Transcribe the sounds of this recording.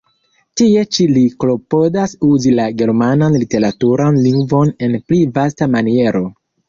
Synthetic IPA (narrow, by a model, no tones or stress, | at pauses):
tie̞t͡ʃiliklo̞po̞dasuzilaɡe̞ɾmananlite̞ɾatuɾanliŋɡvo̞ne̞nplivastamanie̞ɾʔo̞